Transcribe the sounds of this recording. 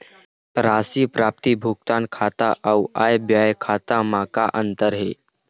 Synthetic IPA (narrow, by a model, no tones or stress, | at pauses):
pɾasiːpɾap̚t̪ibʱuk̚t̪ankʰat̪aʔəwajbjajkʰat̪amakaʔənt̪əɾɦe